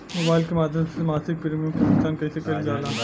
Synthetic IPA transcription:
moːbaːɪlkemaːd̪ʱjɐmsemaːsɪk̚pɪɾmijõkikɪsaːnkɐisekɐɾid͡ʒaːlaː

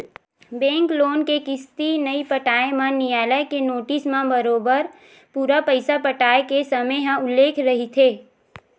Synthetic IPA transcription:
bɛ̃ːŋkloːnkekɪst̪inəipəʈaːemãnijaːləkenoːʈɪsmãbəɾoːbəɾ | puːɾapəɪsapəʈaːekesɐməɦãʊlːeːkʰɾɐɦit̪ʰeː

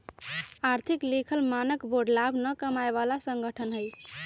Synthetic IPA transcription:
aɾt̪ʰiklekʰəlmanəkboɖlabʱnəkəmaeβalasəŋɡəʈʰənɦəj

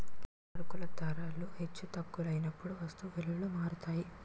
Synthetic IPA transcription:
ɐɽukulɐd̪ʱɐɾaːluhe̞t͡ʃːut̪ɐkːulɐjnɐpːuɽuʋɐst̪uʋilulumaːɾut̪aːji

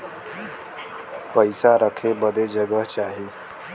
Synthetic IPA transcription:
pəjsaɾəkʰebəd̪ʱed͡ʒəɡəɦt͡ʃaɦi

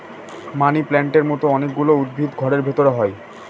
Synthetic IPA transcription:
maniplɛɳʈeɾmɔt̪oɔnek̚ɡuloud̪̚bʱit̪ɡʱɔɾeɾbʱet̪oɾeɦɔe

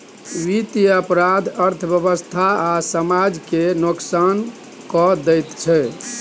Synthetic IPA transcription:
ʋit̪ijəpɾad̪ʱəɾt̪ʰəbjəβəst̪ʰaasəmad͡ʒkenoksan | kɔd̪ɛjt̪t͡ʃʰɛ

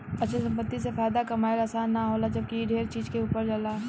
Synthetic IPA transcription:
ɐtːʃʰəsɐ̃mpət̪ːisefaːjd̪akɐmaːeɾɐsaːnːaɦoːlad͡ʒɐb̚kiɖʱeːɾt͡ʃiːd͡ʒkeuːpəɾd͡ʒɐlaː

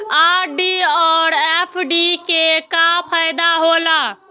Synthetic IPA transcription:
aɾɖiɔɾepʰɖikekapʰajd̪aɦola

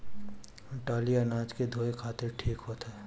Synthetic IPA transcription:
ʈaːliɐnaːd͡ʒked̪ʱoːekʰaːt̪ɪɾʈʰiːkɦot̪ɦɛː

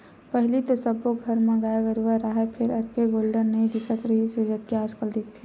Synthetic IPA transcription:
pəɦlit̪osɐbːoɡʱɐɾmẽɡaːeɡəɾuʋaɾaɦepʰɪɾɐt̪keɡoːlɖəɾnɐĩd̪ɪkʰət̪ɾɐɦised͡ʒɐt̪̚kiaːskəld̪ɪkt̪ʰːɛ̃

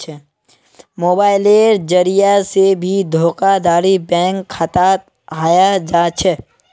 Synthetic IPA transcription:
moːbaːɪleːɾd͡ʒɐɾijasebʱid̪ʱoːkad̪aːɾibɛ̃ːŋkxʰət̪a | aːjad͡ʒaːt͡ʃʰɛ

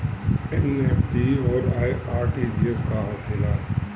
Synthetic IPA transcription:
ɛnɛfʈiɔːɾaːiaːɾʈid͡ʒieskaɦɔːsɪlaː

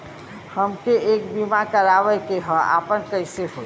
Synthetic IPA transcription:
həmkeekbimakəɾabəjkeɦɔa̰pənkəjseɦo

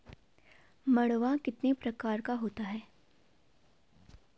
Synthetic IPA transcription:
mɐɽ̃ʋakɪt̪nepɾɐkaːɾkaɦoːt̪aɦɛː

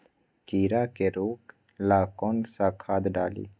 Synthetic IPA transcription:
kiːɾakeɾoːk | laːkɔnsakʰaːd̪ɖaːlḭː

